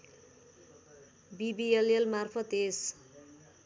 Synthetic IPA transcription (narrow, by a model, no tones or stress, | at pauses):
bibielelmarpʰʌt̪es